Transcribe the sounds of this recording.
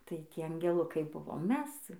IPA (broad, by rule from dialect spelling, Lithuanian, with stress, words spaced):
tɐɪ ˈtʲiɛ ɐŋʲɡʲɛˈlˠʊkɐɪ ˈbʊʋoːm ˈmʲɛs